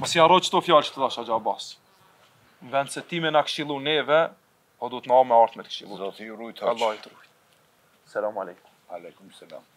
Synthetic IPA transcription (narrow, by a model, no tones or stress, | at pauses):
mɔsiarɔt͡ʃə̥t̪ɔfjalt͡ʃə̥t̪əðaʃad͡ʒabas | nvɛnd̪sɛt̪imɛnakʃilˠunɛvɛ | pɔd̪ut̪namɛaɾθmɛt̪kʃilˠuzɔt̪irujt̪alˠːahit̪ɾu | salamalɛjkumll